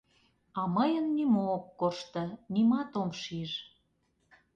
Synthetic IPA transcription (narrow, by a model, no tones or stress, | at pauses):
ɑməjənːimoːkkoʃt̪ɤ̆nimɑt̪omʃiʒ